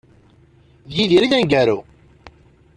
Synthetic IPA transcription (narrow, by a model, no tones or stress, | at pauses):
ðjiðiɾiðænɡæɾu